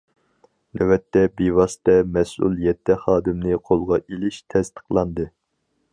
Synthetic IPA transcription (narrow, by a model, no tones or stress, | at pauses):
nɛwɛt̪ʰːɛbewɑsɨ̥t̪ɛmɛsṵlˠjɛt̪ʰːɛχɑːd̪ɪmnɨqʰolˠʁɑʔelɪʃt̪ʰɛst̪ʰə̥qlˠɑnd̪ɨ